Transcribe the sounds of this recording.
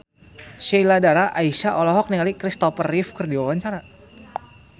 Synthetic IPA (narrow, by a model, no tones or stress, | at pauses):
ʃiladaɾaʔaisaʔɔlɔɦɔk̚nialikɾist̪ɔfərifkərdiwawaɲt͡ʃaɾa